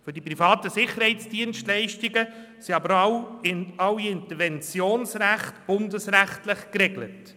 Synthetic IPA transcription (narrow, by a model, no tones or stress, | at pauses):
fʏdipɾifɑːtəsɪχːəɾhɛɪtt͡sd̥iənʃtlɛɪʃtɪɡə | siɑbəɾ | ɑwiɪntəɾvɛnt͡sjoːnsræχtb̥ʊndəsræχtlɪχkrɛɡlə̰t